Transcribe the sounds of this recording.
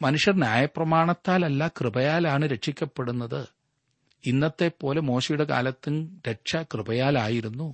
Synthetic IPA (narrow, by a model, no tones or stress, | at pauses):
mɐnuʂjɐrnjaːjɐpːrɐmaːɳɐt̪ːaːlɐlːakrɨbɐjaːlaːɳɨɾe̞ʈʂikʲːɐpːe̞ɽunːɐðɨ | inːɐt̪ːe̞pːo̞ːle̞mo̞ːɕɐjuɽe̞ka̰ːlɐt̪ːinɾeʂɐkrɨbɐjaːlaːjiɾunːu